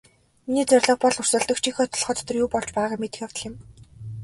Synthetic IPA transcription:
miniːt͡sœrʲɮə̆χpɔɮʊr̥sə̆ɮt̪ə̆kt͡ɕʰixɔːt̪ʰɔɮχɔːt̪ʰt̪ɞ̆rjuːpɔɮt͡ɕpæːʁaːmet̪ɘ̆xjawt̪ə̆ɮjɪ̆m

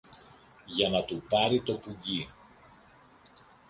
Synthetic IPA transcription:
ʝɐnɐt̪upɐɾit̪o̞puɟi

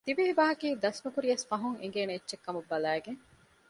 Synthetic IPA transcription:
t̪ibiɦibaːɦɐkiːd̪ɐsnukuɾijɐsfɐɦuŋeŋ̆ɡeːneːt͡ʃːʃekːɐmubːɐlæːɡeŋ

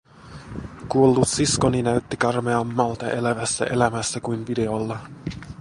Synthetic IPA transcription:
kuolːut̪sisko̞ninæyt̪ːikɑrme̞ɑmːɑlt̪ɑʔe̞læʋæsːæ̰ʔe̞læmæsːækujnʋide̞olːɑ

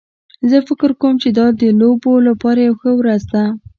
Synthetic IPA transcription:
zəfɪkəɾkowəmt͡ʃed̪ɑd̪əlobolapɑɾajawxəwɾazd̪a

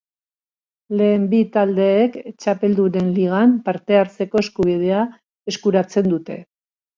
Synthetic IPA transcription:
le̞ːmbit̪ald̪e̞ːkt͡ʃape̞ld̪uɾe̞nliɣ̞ampaɾt̪e̞aɾt͡se̞ko̞e̞skuβ̞ið̞e̞a | e̞skuɾat͡se̞nd̪ut̪e̞̰

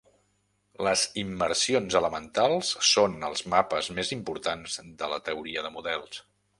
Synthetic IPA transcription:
ləzimːəɾsionzələmənt̪alˠsːonəlˠzmapəzmezimpuɾt̪anzd̪ələt̪əuɾiəðəmuðɛlˠs

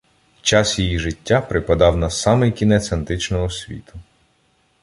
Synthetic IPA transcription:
t͡ʃɑsjijiʒɪtʲːapɾɪpɐd̪ɑwnɐsɑmɪjkʲinɛt̪sent̪ɾɪt͡ʃnɔɦɔsʲʋʲḭt̪ʊ

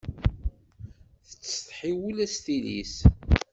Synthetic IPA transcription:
θə̥t͡sːθħiwəlæst̪ilḭs

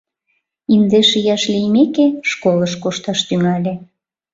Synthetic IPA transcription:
ind̪eʃijɑʃlʲijmekeʃkoləʃkoʃt̪ɑʃt̪yŋɑlʲe

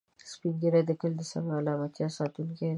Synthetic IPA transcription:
spiŋɡiɾad̪əkəld̪ɪsa̰mbɾalɑmat̪jɑsɑt̪ulke

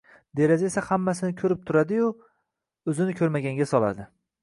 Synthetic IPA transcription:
d̪e̞ɾazaesahamːasɪnɪkʲʰɵɾɪp̚t̪ʰʊɾad̪ɪjʊ | ɵzɪnɪkʲʰɵɾmaɡʲaŋɡʲasɒlˠa̰d̪ɪ

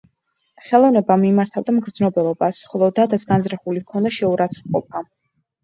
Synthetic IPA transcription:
χɛlˠɔvnɛbamimaɾt̪ʰavd̪amɡɾd̪znɔbɛlˠɔbasχɔlˠɔd̪ad̪asɡanzɾaχulikʰɔnd̪aʃɛuɾat̪sʰχqʼɔp̚ʰa

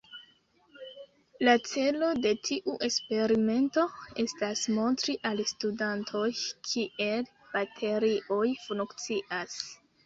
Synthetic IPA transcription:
lat͡se̞lo̞de̞tʰiʔuʔe̞spe̞ɾime̞nto̞e̞stasmo̞ntɾiʔalstudantʰo̞jkʰiʔe̞l | b̥atʰe̞ɾiʔo̞jfunkt͡siʔas

